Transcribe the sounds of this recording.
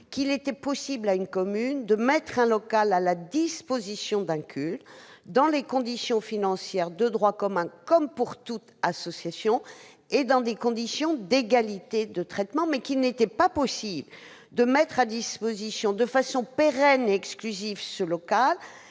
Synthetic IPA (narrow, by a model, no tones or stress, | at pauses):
kilet̪ɛpɔsiblaynkɔmynd̪əmɛt̪χɛ̃lɔkalalad̪ispozisjɔ̃d̪ɛ̃kʲʰyld̪ɑ̃lekɔ̃d̪isjɔ̃finɑ̃sjɛʁd̪əd̪ʁwakɔmɛ̃kɔmpuʁt̪ut̪asɔsjasjɔ̃ | ed̪ɑ̃d̪ekɔ̃d̪isjɔ̃d̪eɡalit̪ed̪ət̪χɛt̪mɑ̃mɛkilnet̪ɛpapɔsibl | d̪əmɛt̪χad̪ispozisjɔ̃d̪əfasɔ̃peʁɛneɛksklyzivsəlɔkal